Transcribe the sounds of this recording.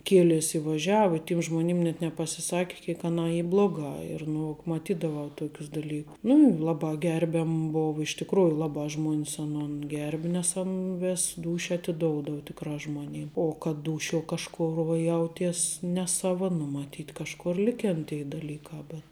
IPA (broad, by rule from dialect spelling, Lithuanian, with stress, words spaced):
ˈkʲiɛlʲeːs ɪ ʋɐˈʒʲæːʋɐ ɪ tʲɪm ˈʒmoːnʲɪm nʲɛt nʲɛpɐsʲɪˈsɑːkʲɪ kʲiɛk ˈɑːnɑː ˈiː ˈblˠoːˌɡɑː ɪr nʊ mɐˈtʲiːdɐʋɐʊ ˈtoːkʲʊs dɐˈlʲiː nʊ ˈlˠɑːbɑː ˈɡʲɛrʲbʲɛm ˈboːʋɐ ɪʃ tʲɪkˈruːjʊ ˈlˠɑːbɑː ˈʒmuɔnʲs ɐˈnoːn ˈɡʲɛrʲbʲɪ nʲɛs ˈɐn ˈʋʲeːs ˈduːʃʲɛ ɐtʲɪˈdoːʊdɐw tʲɪkˈrɑː ʒmoːˈnʲɪm oː kɐt ˈduːʃʲuɔ kɐʃˈkoːr ʋɐ ˈjɛʊtʲiɛs nʲɛˈsɑːʋɐ nʊ mɐˈtʲiːt kɐʃˈkoːr ˈlʲɪkʲeːn tʲɛɪ dɐlʲiːkɑː bʲɛt